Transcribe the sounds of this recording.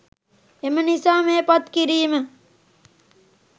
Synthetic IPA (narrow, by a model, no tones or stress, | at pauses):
emənisaːmeːpat̪kiɾiːmə